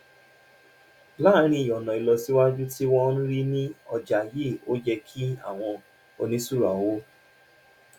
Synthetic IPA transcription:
la˦ɾ̃ĩ˧i˨jɔ˨nɔ̃˨i˧lɔ˧si˦wa˦d͡ʒu˦ti˦wɔ˦nũ˦ɾi˦nĩ˦ɔ˧d͡ʒa˨je˦˨o˦d͡ʒɛ˧kʰi˦a̰˦˨w̃ɔ̃˧ | o˧nĩ˦su˦˨ɾa˨˦wo˦

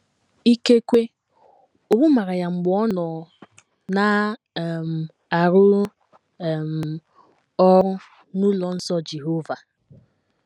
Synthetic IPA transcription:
i˦ke˦kʷe˦ | o˨ɡ͡bu˦ma˨ɾa˨ja˨ŋ͡m̩˨ɡ͡bɔ˦nɔ˨ | na˨˦˨ | m̩˨ | a˨ɾʊ˦˨ | m̩˨ | ɔ˦ɾʊ˦ | nu˦lɔ˨n̩˦sɔ˦d͡ʒe˨ɦo˦va˨

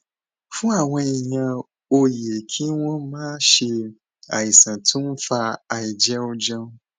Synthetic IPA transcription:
fũ˦a˨wɛ̃˦i˨ɲã˦ | o˦je˨kʰi˦wɔ̃˦mã˦ʃe˦ | a̰˨ji˨sã˨tʰũ˦m˦fa˦a˨ji˨d͡ʒɛ˦wo˦d͡ʒã˦

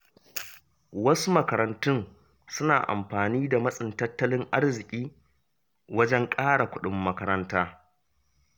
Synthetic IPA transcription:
wɐ˦su˦mɐ˦kɐ˨ɾɐ˨ntʊ˦n | sʊ˦na̰ː˨ʔa̰˨mɸaː˨niː˦da˨mɐ˦sʼɪ˨ntɐ˦tːɐ˦lɪ˦ŋʔa˦ɽzɪ˨kʲʼiː˦ | wɐ˦d͡ʒɛ˦ŋkʼaː˦ɽa˨kʷʊ˦ɗɪ˦mːɐ˦kɐ˦ɾɐ˦ntaː˦

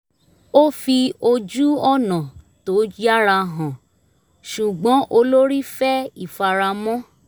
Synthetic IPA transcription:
o˦fi˧o˧d͡ʒu˦ɔ˦˨nã˨to˨˦d͡ʒi˦a˦ɾa˧ɦã˨ | ʃu˨ɡ͡bɔ̃˨˦ʔo˧lo˦ɾi˦fɛ˦i˦˨fa˨ɾa˧mɔ̃˦

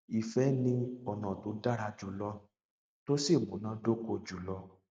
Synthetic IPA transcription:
i˨fɛ˨˦nĩ˧ɔ˨nã˨to˨˧˦da˦ɾa˧d͡ʒu˨˦lɔ˧˦ | to˦si˦˨mũ˨˦nã˦do˦ko˧˨d͡ʒu˨lɔ˧

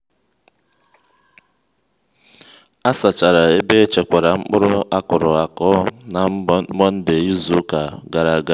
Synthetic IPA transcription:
a˦sa˨t͡ʃa˨ɾa˨e˦be˦t͡ʃe˨kʷa˨ɾa˨ŋ͡m̩˦k͡pʊ˦ɾʊ˦a˦kʊ˨ɾʊ˨a˨kɔ˦na˨˦mɔ˦n̩˦de˨i˦zu˦ka˨ɡa˨ɾa˨ɡa˦

